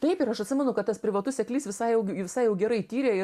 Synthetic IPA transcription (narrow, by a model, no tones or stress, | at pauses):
t̪ɐɪpɪɾɐʃɐt̪ʲsʲɪmʲɛnʊkɐt̪t̪ɐspʲɾʲɪʋɐt̪ʊsʲsʲɛklʲiːsʋʲɪsɐɪjɛʊʋʲɪsɐɪjɛʊɡʲɛɾɐɪt̪ʲiːɾʲeːɪ